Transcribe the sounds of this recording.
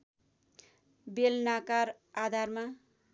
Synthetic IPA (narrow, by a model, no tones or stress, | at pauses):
belnakaɾ | ad̪ʱarma